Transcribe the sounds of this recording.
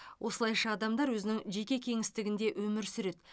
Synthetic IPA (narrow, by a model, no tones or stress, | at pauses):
wʔo̞səlˠɑjʃɑːd̪ɑmd̪ɑɾwɵzɪnɪŋʒe̞kʲe̞kʲʰe̞ŋɪst̪ɪɡʲɪnd̪e̞ʔwʔɵmɪɾsʏɾe̞t̪